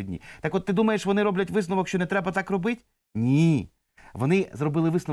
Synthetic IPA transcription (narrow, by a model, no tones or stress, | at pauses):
dʲnʲḭt̪ɑkɔt̪ːɪd̪umɐjeʃʋɔnɪɾɔblʲɐtʲʋɪsnʊʋɔkʃt͡ʃɔnɛt̪ɾɛbɐt̪ɑkrɔbɪtʲ | nʲi | ʋɔnɪzrɔbɪlˠɪʋɪsnʊ